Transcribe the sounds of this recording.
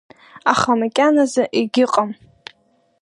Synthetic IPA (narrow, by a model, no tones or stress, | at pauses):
aχamakʲʼanazaʔiɡʲɪqʼam